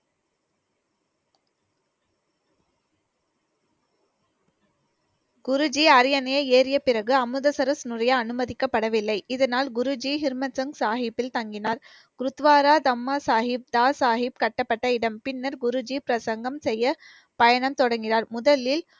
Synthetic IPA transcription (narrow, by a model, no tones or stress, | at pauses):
ɡ̥ʊɾɯd͡ʒiɐɾɪjɐnɐjɐeːɾɪjɐpɪrɐɣɯɐmɯðɐsɐɾɐsnɯrɐjɐːnɯmɐðɪkːɐpːɐɽɐʋɪlːɐɪʔɪðɐnaːlɡʊɾʊd͡ʒiɦɪɾmɐsɐŋɡsaːɦɪpːɪlt̪ɐŋɡɪnaːɾ | kɾʊt̪ʋaːɾaːd̪ɐmːaːsaːɦɪp̚d̪aːsaːɦɪp̚kɐʈːɐpːɐʈːɐɪɽɐmpɪnːɐɾɡʊɾʊd͡ʒipɪɾɐsɐŋɡɐmsɛjːɐ | pɐjɐnɐmt̪ɔɽɐŋɡɪnaːɾmʊðɐlɪl